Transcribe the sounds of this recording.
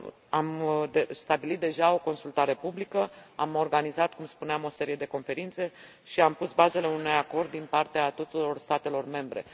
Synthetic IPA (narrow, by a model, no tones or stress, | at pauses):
amd̪est̪abilit̪̚d̪e̞ʒao̞ko̞nsult̪aɾe̞publikəamo̞rɡanizat̪kumspuneamo̞se̞ɾije̞d̪e̞ko̞nfe̞ɾint̪se̞ | ʃiampusbaze̞le̞unujako̞rd̪̚ːinpart̪eat̪ut̪uɾo̞rst̪at̪e̞lo̞rme̞mbɾe̞̰